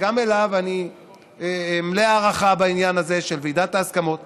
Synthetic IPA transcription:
ɡame̞lavani | mleaːʁaχabainjanaze̞ʃe̞lvid̪at̪aːskamo̞t̪̚

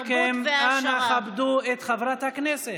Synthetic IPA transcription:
kemanaχabd̪uet̪χavɾʁat̪haknese

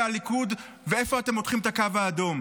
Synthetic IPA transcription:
alikud | vee̞fo̞ate̞motχimet̪akavaːdo̞m

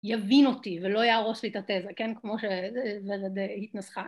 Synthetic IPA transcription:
javino̞tivelo̞ajaʁo̞ʃlit̪at̪ezakenkmo̞ʃeveʁed̪hitnasχa

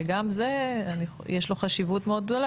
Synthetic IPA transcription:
ɡamzeani | jeʃlo̞χaʃivut̪meo̞d̪̚ɡd̪ola

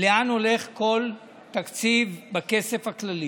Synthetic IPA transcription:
leano̞le̞χko̞l | t̪akt͡sivbake̞se̞fhaklali

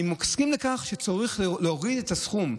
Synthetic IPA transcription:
imːokskimlekaχʃet͡soʁiχleoʁid̪et̪asχum

